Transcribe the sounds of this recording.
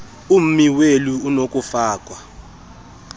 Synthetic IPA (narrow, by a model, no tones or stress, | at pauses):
um̩miweluunokʼufaːkʼwa